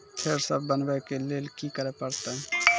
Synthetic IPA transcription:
pʰeːɾsəbbənbɛkeleːlkikəɾepəɾt̪eɦ

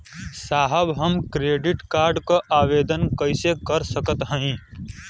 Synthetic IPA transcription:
saːɦəbɦəmkɾeːɖɪʈkaːɾɖkaʔaːʋeːd̪ənkəɪsekəɾsəkət̪ɦə̃ĩ

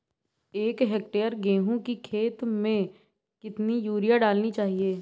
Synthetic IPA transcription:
eːkɦek̚ʈeːəɾɡẽːɦũkikʰeːt̪mẽ | kɪt̪nijuːɾijaɖaːlnit͡ʃaːɦieː

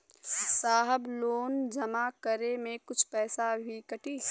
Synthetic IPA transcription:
saːɦəbloːnd͡ʒɐmakəɾemẽkʊt͡ʃʰpɛːsabʱikɐʈiː

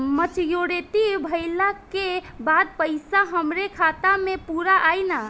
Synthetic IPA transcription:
mət͡ʃjoɽet̪ibʱəɪlakebad̪̚pəjsaɦəmɾekʰat̪amepuɾaʔajna

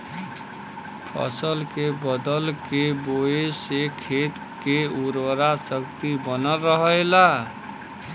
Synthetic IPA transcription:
pʰʌ̰səlkebəd̪əlkeboesekʰet̪ | keuɾwəɾasəkt̪ibənəlɾəɦəjla

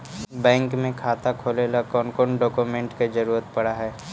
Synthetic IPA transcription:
bɛ̃ːŋkmẽkʰaːt̪akʰoːlelakɔːnkoɳɖɔːkumẽɳʈked͡ʒɐɾuːɾət̪pɐɽaɦɛː

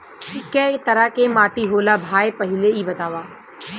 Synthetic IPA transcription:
ɪkːɛt̪əɾakeːmaːʈiɦoːlaːbʱaːepəɦɪleiːbət̪aːʋaː

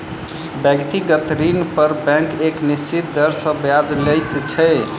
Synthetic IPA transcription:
bjəɡt̪iɡət̪ɾinpəɾbɛ̃keknist͡ʃʰit̪̚d̪əɾsə̃bjad͡ʒlɛjt̪t͡ʃʰɛ

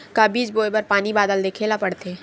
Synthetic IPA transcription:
kabiːd͡ʒboːebɐɾpaːnibaːd̪əld̪eːkʰeːlapɐɽt̪eː

